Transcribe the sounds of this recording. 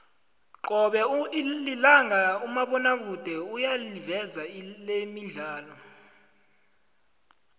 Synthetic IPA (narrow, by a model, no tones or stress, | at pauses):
ǃɔɓɛlilaŋaumaɓɔnaɓud̥ʱɛujalivɛzalemiɮaːlɔ